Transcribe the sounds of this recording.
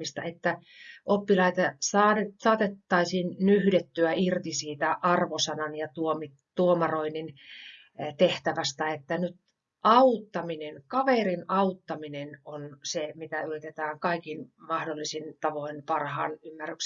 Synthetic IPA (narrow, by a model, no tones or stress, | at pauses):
ist̪ɑ̰et̪ːæ | ʔopːilɑit̪ɑsɑːesɑːt̪et̪ːɑisiːnnyhdet̪ːyæirt̪isiːt̪æʔɑrʋosɑnɑnjɑt̪uomi | t̪uomɑroinin | t̪eht̪æʋæst̪æet̪ːænyt̪ | ʔɑut̪ːɑminenkɑʋerinɑut̪ːɑminenonsemit̪æyrit̪et̪æːŋkɑikinmɑhdolːisint̪ɑʋoinpɑrhɑ̰ːnymːærːyks